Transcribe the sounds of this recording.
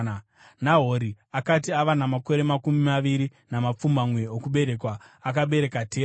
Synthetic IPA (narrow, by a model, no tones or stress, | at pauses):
naɦo̞ɾi | akatiaʋanamako̞ɾe̞makumimaʋiɾinamap͡fumbamwe̞okuɓe̞ɾe̞kwaːk̬aɓe̞ɾe̞katʰeː